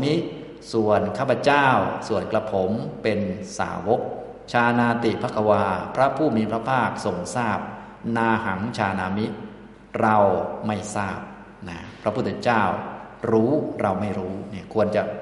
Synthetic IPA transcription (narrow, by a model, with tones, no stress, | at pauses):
mi˦˥ | su˨˩ənkʰaː˥˩pʰɾa˧t͡ɕaː˥˩wsu˨˩ənkla˧pʰo˩˦mpe˧nsa̰ː˩˦wo˦˥k̚ | t͡ɕʰaː˧naː˧t̪i˨˩pʰa˦˥˩kʰːa˧waː˧pʰɾa˦˥pʰuː˥˩miː˧˩pʰɾa˦˥pʰaː˥˩k̚so˨˩ŋsaː˥˩p̚ | naː˧ha˩˦ŋt͡ɕʰaː˧naː˧mi˦˥t̪̚ | ɾa˧wma˥˩jsaː˥˩p̚ | na˦˥pʰɾa˦˥pʰu˥˩t̪ʰːe˧˥t͡ɕaː˥˩w | ɾuː˦˥ɾa˧wma˥˩jɾuː˦˥ni˥˩ɐkʰu˧ənt͡ɕa˨˩